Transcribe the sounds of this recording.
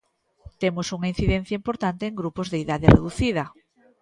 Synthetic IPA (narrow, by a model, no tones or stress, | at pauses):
t̪emosuŋain̟θiðen̟θjaimpoɾt̪ant̪eːŋɡɾupozðeiðaðerḛðuθið̞ɐ